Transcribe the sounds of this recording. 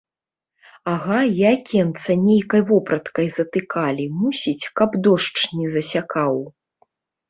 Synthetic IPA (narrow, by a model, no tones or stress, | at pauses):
aɣajakʲʰɛnt̪sɐnʲejkɐjvɔpɾɐt̪kɐjzɐt̪ɨkalʲimusʲit͡sʲkɐbd̪ɔʂt͡ʂnʲɛzɐsʲakaw